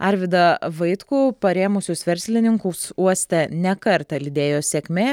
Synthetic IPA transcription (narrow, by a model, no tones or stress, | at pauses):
ɐɾʲʋʲɪd̪ɐʋɐɪt̪kuːpɐɾʲeːmʊsʲʊsʋʲɛɾʲsʲlʲɪnʲɪŋkʊːsuɔsʲt̪ʲɛnʲɛkɐɾt̪ɐlʲɪd̪ʲeːjoːsʲɛːkʲmʲeː